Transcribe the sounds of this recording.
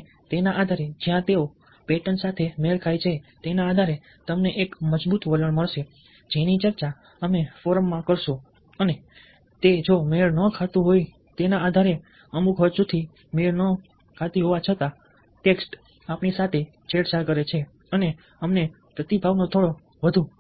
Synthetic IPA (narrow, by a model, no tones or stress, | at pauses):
t̪enaʔad̪ʱaɾed͡ʒjãt̪eo | peʈənsat̪ʰemeɭkʰajt͡ʃʰet̪enaːd̪ʱaɾe | t̪əmneʔekməd͡ʒbut̪ʋələɳməɭʃe | d͡ʒenit͡ʃəɾt͡ʃa | əmefoɾəmːãkəɾʃũ | əne | t̪ed͡ʒomeɭnəkʰat̪ũɦoj | t̪enaːd̪ʱaɾe | əmukʰɦəʃut̪ʰi | meɭnə | kʰat̪iɦoʋat͡ʃʰət̪a | ʈeksʈ | apnisat̪ʰe | t͡ʃeɽsakəɾet͡ʃʰe | əne | əmne | pɾət̪ibʱaʋnot̪ʰoɽo | ʋəd̪ʱũ